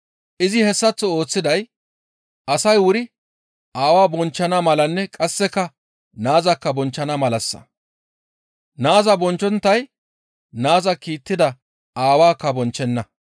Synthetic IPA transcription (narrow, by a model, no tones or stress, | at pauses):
ʔɪzɪhɛsːɐt͡sːɔo̞ːt͡sːɪd̪ɐj | ʔɐsɐjwʊɾɪ | ʔaːwaːbɔnt͡ʃːɐnɐmɐlɐnːɛkʼɐsːɛkːɐ | naːzɐkːɐbɔnt͡ʃːɐnɐmɐlɐsːɐ̥̰ | naːzɐbɔnt͡ʃːɔnt̪ːɐj | naːzɐkiːt̪ːɪd̪ɐ | aːwaːkːɐbɔnt͡ʃːɛnːɐ